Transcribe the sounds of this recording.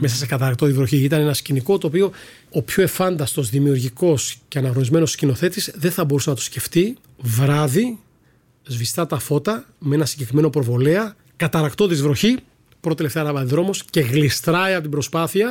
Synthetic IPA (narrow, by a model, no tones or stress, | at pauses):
me̞sɐsekɐt̪ɐɾɐkt̪o̞ðizɾo̞çiit̪ɐne̞nɐsciniko̞t̪o̞ːpio̞ | opço̞e̞fɐnd̪ɐst̪o̞zðimiuɾʝiko̞sce̞ɐnɐɣno̞nizme̞noscino̞θe̞t̪isðe̞nθɐbo̞ɾusenɐt̪u̥sce̞ft̪i | vɾɐði | zvist̪ɐt̪ɐfo̞t̪ɐ | mee̞nɐsiɲɟe̞kɾime̞no̞pɾo̞vo̞leɐ | kɐt̪ɐɾɐkt̪o̞ðizvɾo̞çi | pɾot̪eleft̪eɐnɐvɐðiðɾo̞mo̞sce̞ɣlist̪ɾɐiɐpot̪ibɾo̞spɐθiɐ